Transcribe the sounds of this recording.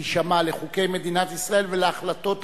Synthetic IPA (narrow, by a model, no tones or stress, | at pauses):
ʃamaleχuke̞jmed̪inat̪isʁae̞lveleaχlat̪o̞t̪